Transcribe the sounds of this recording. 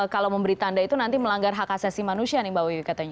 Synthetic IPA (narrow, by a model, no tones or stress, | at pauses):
kalawməmbəɾit̪andait̪unant̪iməlaŋɡarɦakasasimanusianibawikat̪aɲa